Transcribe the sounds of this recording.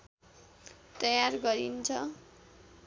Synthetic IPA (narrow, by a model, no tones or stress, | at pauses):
t̪ʌjarɡʌɾint͡sʰʌ